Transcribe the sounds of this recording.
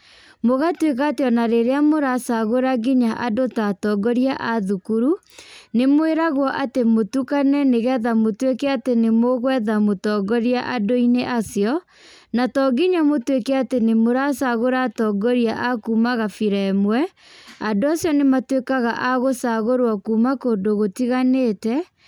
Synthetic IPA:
moɣatwek̬ateɔnaɾeɾeamoɾasaɣoɾaɡiɲaʔadotatɔɡɔɾiaʔaðukuɾu | nemoeɾaɣwɔʔatemotukanɛneɣɛðamotwekɛatenemoɣwɛðamotɔːɡɔɾiaʔadoineʔasjɔ | natɔɡiɲamotwekɛatenemoɾasaɣoɾatɔɡɔɾiaʔakuːmaɣafiɾɛmwɛ | andoasjɔnematwekaɣaʔaɣosaɣoɾwakuːmakoːndoɣotiɣanetɛ

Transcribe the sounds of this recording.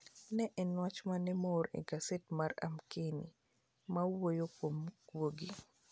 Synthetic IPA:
nɛʔɛnwat͡ʃmanɛmɔɾḛɡasetmara̰mkeni | mawojokomɡwoɡi

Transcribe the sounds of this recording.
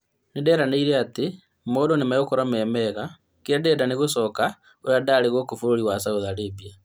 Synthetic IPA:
nedɛɾaneiɾeate | moːdonemajokoɾamɛːmɛɣa | keɛdɛːdaneɣosɔka | oɾadaɾeɣokofoɾoɾiwasaoðaɾebia

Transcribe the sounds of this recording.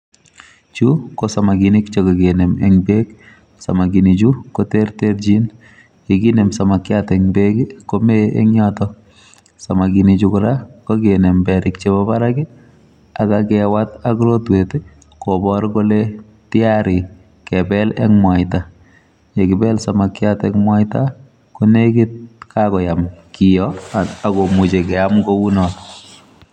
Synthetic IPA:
t͡ʃukosamaɡinikt͡ʃekɔɡenemɛ̰ŋbek | sa̰maɡinit͡ʃukoterterd͡ʒin | jekinemsamakːjatɛŋbeɡkomeʔḛŋɲɔtɔ | samakinit͡ʃukʊɾakokenembɛɾɪkt͡ʃebɔbaɾakɪ | akakɛwataklotwete | kobɔɾkole | tɪaɾɪ | kɛbɛlɛ̰kmwaɪta | jekɪbɛlsamakjatɛkmwajta | konekɪt̚kʰakɔjamkɪjɔakomut͡ʃekɛamɡounɔt

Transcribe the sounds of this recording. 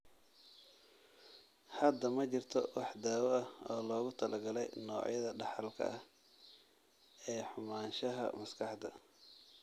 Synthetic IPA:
hɐd̪ɐmɐt͡ʃɪrt̪ʰɔwɑħd̪aːwɔʔɐhɔːlɔːɣʊt̪ʰɐlʔɐɡɐlɛjnɔːʕjɐðɐɖɑħɑlkʰɐ̰ʔɐh | ɛːħʊmaːnʃɐɦɐ̰mɐskʰɑħd̪ɐ

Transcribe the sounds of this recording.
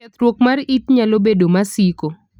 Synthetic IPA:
ɛt̪ɾwokmaritɲalobedomasiko

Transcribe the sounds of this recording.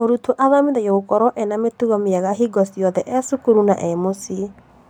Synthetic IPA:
oɾutoʔaðamiðajoɣokɔɾɔʔɛnametuɣɔmeaɣaɦiɡɔsiɔðɛʔɛsukuɾunaʔɛmosie

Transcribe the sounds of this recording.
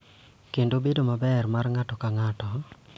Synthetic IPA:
kendobedomabɛrmarŋatɔkaŋatɔ

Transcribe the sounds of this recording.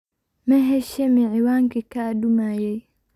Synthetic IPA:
meɦeʃemiʕiwaŋkikadumaje

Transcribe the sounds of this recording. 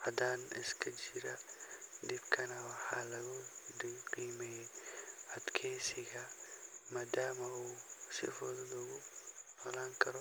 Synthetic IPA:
hɐd̪aːnɪ̰skʰɐd͡ʒɪɾɐd̪ɪbkʰɐnɐwɑħaːlɐɣʊd̪ɪqiːmɛj | ɐd̪kʰɛːsɪɣɐmaːd̪aːmɐuːsɪ̰fɔːðɐlɐɣʊnʰɔlaːŋkʰɐɾɔ

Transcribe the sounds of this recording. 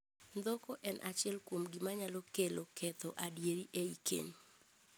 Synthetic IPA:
nd̪ɔkoʔɛnʔat͡ʃɪɛlkwomɡimaɲalɔkelokɛt̪ɔʔadjeɾiʔeikḛɲ

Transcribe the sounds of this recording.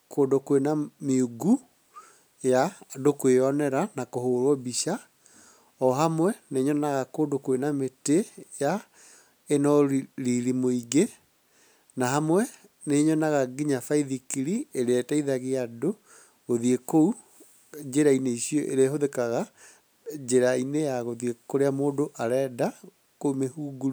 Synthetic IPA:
kʰoːdokwenameuɡu | jadokweɔnɛɾanakohoɾwɔbiɕa | ɔɦamwɛneɲɔnaɣakoːdokwenameteja | enɔɾiɾimoiɡe | naɦamwɛ | neɲɔnaɣaɡiɲafaiðikiɾieɾeɛtaiðaɣeado | ɣoðiekou | d͡ʑeɾaineiɕiɔʔḛɾeaɦoðekaɣa | d͡ʒeɾainejaɣoðiekoɾeamoːdoʔaɾɛːda | komehuːɡuɾu

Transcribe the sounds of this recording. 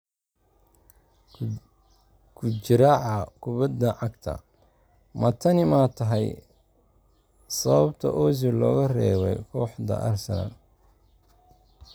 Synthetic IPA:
kʰʊt͡ʃɪɾaːʕɑkʰʊβɐd̪ɐʕɑɡt̪ʰɐ̰ | mɐt̪ʰɐnɪmaːt̪ʰɐɦɛj | sɐβɐbt̪ʰɐʔɔːz̬ɪlɔːɣɐrɛːwɛjkʰɔːħd̪ɐ̰ʔɐrsɐna̰n

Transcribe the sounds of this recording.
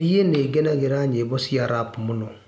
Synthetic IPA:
ijeneɡenaɡeɾaɲebɔsiaɾapmuno

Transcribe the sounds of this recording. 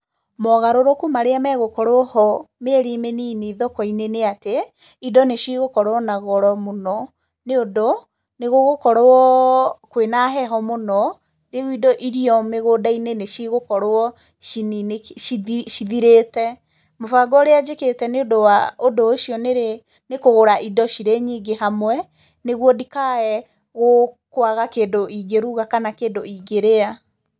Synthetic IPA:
mɔɣaɾoɾokumaɾeamɛɣokɔɾohɔmeɾimeniːneiðɔkɔineneate | idɔneʃiɣokɔɾoɔnaɣɔɾɔmonɔ | neodo | neɣoɣokɔɾɔɔkwenaɦɛɦɔmonɔ | ɾeɣwidɔʔiɾiɔmeɣoːdaineneʃiɣokɔɾoɔ | ʃinineiʃiðiɾetɛ | mofaɡɔɾead͡ʒeketɛneodowaodooʃiɔneɾe | nekoɣoɾaʔidɔʃiɾeɲiːɡehamwɛ | neɣwɔdikaɛ | ɣokwaɣakeːdoʔiɡeɾuɣakanakeːndoiɡeɾea

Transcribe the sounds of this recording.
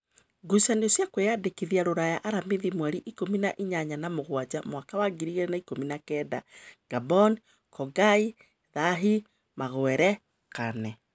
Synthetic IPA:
ɡusandosjakwejadekiðiaɾoɾajaʔaɾameðimwɛɾiʔikominaʔiɲaɲanamoɣwad͡ʑamwakawaɡiɾiɣeɾɛnaikominakɛːda̰ɡ̥abɔn | kɔɡai | ðaɦi | maɣwɛɾɛ | kanɛ

